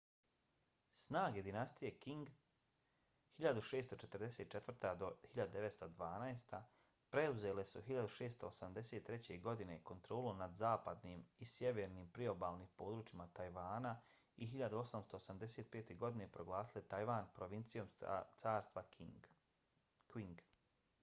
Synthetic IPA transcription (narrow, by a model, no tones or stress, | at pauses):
snaːɡe̞d̪inast̪ije̞kiŋɡ | hiʎad̪uʃe̞ːst̪o̞t͡ʃet̪ɾd̪eseːt̪̚t͡ʃet̪vr̩t̪ad̪o̞hiʎad̪ud̪e̞ʋet̪st̪od̪ʋaːnaest̪a | pɾeuze̞ːle̞suɦiʎad̪uʃe̞ːst̪oːsamd̪e̞seːt̪ːɾe̞t͡ɕe̞ɡo̞d̪ine̞ko̞nt̪ɾo̞ːlomnad̪zaːpad̪nimisje̞ʋe̞ɾniːmpɾio̞baːlˠnipo̞ːd̪ɾuːt͡ʃimat̪ajʋaːna | iɦiʎad̪uo̞samst̪o̞ːsamd̪e̞seːt̪̚pe̞ːt̪e̞ɡo̞d̪ine̞pɾo̞ɡlˠaːsilet̪ajʋaːnpɾo̞ʋint̪sijo̞mt̪saːɾst̪ʋak | kiŋɡ